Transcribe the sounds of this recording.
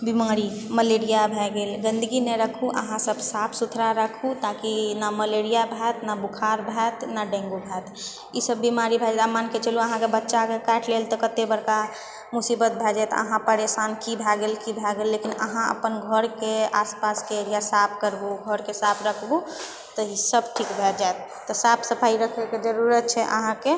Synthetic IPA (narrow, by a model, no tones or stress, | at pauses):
bimaːɾiməleɾijabʱɛɡeːlɡə̃nd̪əɡinɛɾəkʰuʔə̰ɦãsəbsapʰsut̪ʰɾaɾəkʰut̪akinaməleɾijabʱɛt̪nabukʰaɾbʱɛːt̪naɖẽŋɡobʱɛːt̪ | isəbːimaɾibʱɛd͡ʒɛt̪əmaːnket͡ʃəlũəɦãkebətːʃakekɛːʈʰlelt̪ɔkət̪ebəɾka | musibət̪̚bʱɛd͡ʒaɛt̪ə̰ɦãpəɾesankibʱɛɡelkibʱɛɡelːekinə̰ɦãə̰pənɡʱəɾkeaspaskeeɾijasapʰkəɾbuɡʱəɾkesapʰɾəkʰbu | t̪ɔisəb̚ʈʰikbʱɛd͡ʒaet̪̚ːɔsapsəpʰaiɾəkʰeked͡ʒəɾuɾət̪̚t͡ʃʰɛʔə̰ɦãke